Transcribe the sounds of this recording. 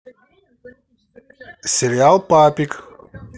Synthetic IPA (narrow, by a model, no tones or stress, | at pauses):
seɾiaːlpaːpik